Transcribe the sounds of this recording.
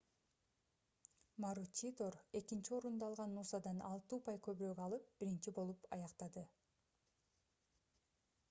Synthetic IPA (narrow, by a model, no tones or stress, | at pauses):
maɾut͡ʃ̪ʲit̪oɾe̞kint͡ʃio̞ɾund̪ɑːlˠʁɑnːusɑd̪ɑnɑlˠt̪uːpɑjkøβyɾøːɡɑlˠɯp̚b̥iɾint͡ʃibo̞lˠupɑ̰jɑqt̪ɑd̪ɯ